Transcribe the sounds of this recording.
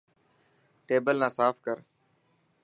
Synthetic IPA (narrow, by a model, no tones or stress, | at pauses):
ʈeːbəlnãːsaːfkəɾ